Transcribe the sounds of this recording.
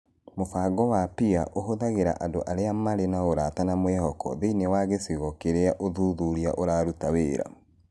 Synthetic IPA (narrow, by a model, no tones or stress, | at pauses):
mofaːɡɔwapiaʔoɦoðaɣeɾa̰ʔandoʔaɾeamaɾenaoɾatanamwɛhɔkɔ̰ðeinewaɣesiɣɔkeɾeaʔoðuðuɾia̰ʔoɾaːɾutaweɾa̰